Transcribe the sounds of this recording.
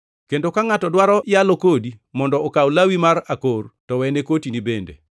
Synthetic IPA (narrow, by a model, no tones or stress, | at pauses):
kendokaŋatɔdwaɾɔjalokodimɔndɔːkawlawimarakortɔwɛnekotinibendḛ